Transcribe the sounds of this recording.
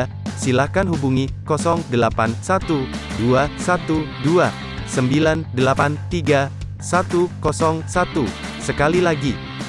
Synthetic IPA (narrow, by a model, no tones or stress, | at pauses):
silakanɦubuŋikɔsɔŋdəlapansat̪uduasat̪udua | səmbilandəlapant̪iɡa | sat̪ukɔsɔŋsat̪u | səkalilaɡi